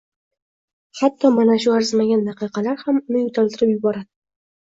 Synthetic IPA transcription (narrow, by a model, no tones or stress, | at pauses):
χat̪ʰːɒmanaʃʊaɾzmaɡʲanːɑqɨjqɑlaɾhamʊnɪjʊt̪ʰalt̪ʰɪɾɪpjʊbɒɾad̪ɪ